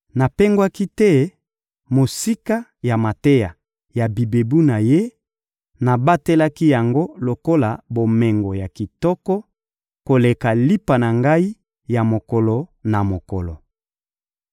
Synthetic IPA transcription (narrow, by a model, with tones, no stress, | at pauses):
na˨pe˦ŋɡwa˦ki˦tɛ˦ | mo˨si˦ka˦ja˨ma˨te˦ja˨ | ja˨bi˨be˨bu˦na˨je˦ | na˨ba˦te˦la˦ki˦ja˨ŋɡo˦lo˨ko˦la̰˨bo˨mɛ˨ŋɡɔ˨ja˨ki˨tɔ˦kɔ˦ | ko˨le˨ka˨li˦pa˨na˨ŋɡa˦i˦ | ja˨mo˨kɔ˨lɔ˨na˨mo˨kɔ˨lɔ˨